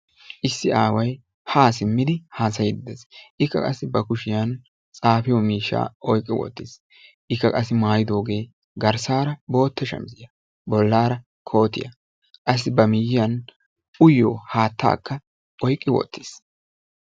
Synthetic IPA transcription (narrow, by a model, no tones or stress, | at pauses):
ʔɪsːɪaːwɐj | haːsɪmːɪd̪ɪhaːs̬ɐjɪd̪ɪd̪ɛsʔɪkːɐ̰kʼɐsːɪbɐkʊʃɪjɐn | t͡sʼaːfɪjɔmiːʃːa̰ːɔjkʼːɪwɔ̰t̪ːɪs | ʔɪkːɐkʼɐsːɪmaːjɪd̪o̞ːɡe̞ː | ɡɐɾsaːɾɐbo̞ːt̪ːɛʃɐ̰mzɪjɐ | bɔlːaːɾɐ | kʰo̞ːt̪ɪjɐ̰ | kʼɐs̬ːɪbɐmɪjɪjɐn | ʊjːoːhaːt̪ːa̰ːkːɐ | ɔjkʼːɪwɔ̰t̪ːɪ̥s